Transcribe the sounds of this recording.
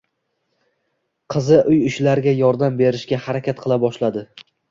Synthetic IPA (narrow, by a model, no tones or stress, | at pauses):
qʰɨzɪʔʊjʊʃlaɾɡʲajɒɾd̪ambe̞ɾɪʃɡʲahaɾakʲat̪qʰɨlˠabɒʃlad̪ɪ